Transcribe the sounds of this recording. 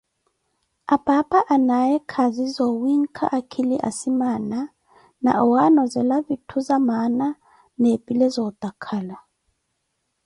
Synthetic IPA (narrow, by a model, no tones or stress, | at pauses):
abapaʔanajɛkʰazizɔwiŋ̩kʰa̰ʔakʰiliʔa̰simana | na̰ʔɔwanɔzɛlavitʰuzamana | nepʼilɛzɔd̪̥akʰala